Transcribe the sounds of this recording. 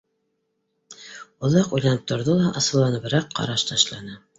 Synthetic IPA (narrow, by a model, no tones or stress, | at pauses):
ŏlˠɑqujlɑnɘp̚t̪ŏɾðolˠɑʔɑsɤ̆lˠːɑnɤβɾɑqʰːɑ̰ɾɑʃt̪ɑʃlˠɑnɤ